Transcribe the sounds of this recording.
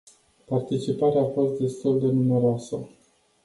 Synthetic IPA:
part̪it͡ʃipaɾeaːfo̞st̪̚d̪e̞st̪uld̪e̞nume̞ɾoasə

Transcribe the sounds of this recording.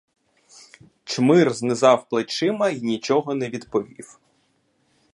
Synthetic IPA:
t͡ʃmɪrznɪzɑwplˠet͡ʃɪmɐinʲit͡ʃɔɦɔnɛʋʲid̪pɔʋʲḭw

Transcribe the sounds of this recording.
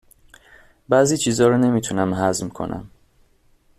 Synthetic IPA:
bæːziːt͡ʃʰiːzɒːɾone̞miːt̪ʰunæmɦæzmkʰo̞̰nʔæ̰m

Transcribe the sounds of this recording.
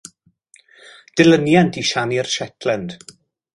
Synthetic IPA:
d̥ɪlənjantʰiʃanirʃɛtʰlɛnd̥

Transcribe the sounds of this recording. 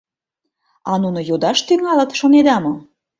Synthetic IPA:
ɑnunojod̪ɑʃt̪yŋɑlə̆t̪ʃoned̪ɑmo

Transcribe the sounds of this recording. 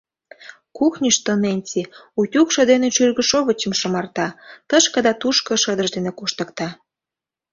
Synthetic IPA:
kuxnʲiʃt̪onenʲt͡sʲiutʲukʃɤ̆d̪eneʃyrɣəʃoβə̆t͡ɕə̆mʃə̆mɑrt̪ɑt̪əʃkə̆d̪ɑt̪uʃkə̆ʃəd̪əʒd̪enekoʃt̪ə̆kt̪ɑ

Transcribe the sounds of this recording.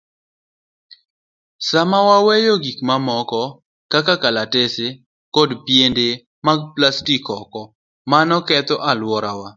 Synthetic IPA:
samawawɛjoɡikmamɔkɔ | kakakalatese | kɔdpjende | maɡ̚plastikɔkɔ | manɔkɛt̪oʔalwɔɾawa

